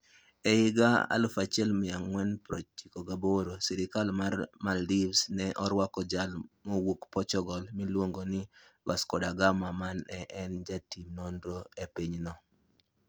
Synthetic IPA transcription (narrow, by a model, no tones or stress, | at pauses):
ɛɪɡaa̰lʊfat͡ʃɛlmɪaŋwɛnpɾɔt͡ʃikɔɡaboɾosiɾɪkalmarmaldivsnɛʔɔɾwakɔd͡ʒalmɔwukpɔt͡ʃɔɡɔlmɪlwoŋɡonɪwa̰skɔdaɡamamanɛʔɛnd͡ʒatimnɔndoepiɲnɔ